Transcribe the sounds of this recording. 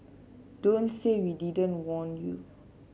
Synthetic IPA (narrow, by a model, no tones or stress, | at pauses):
d̥õntsewididə̃ntwɔ̃njṵ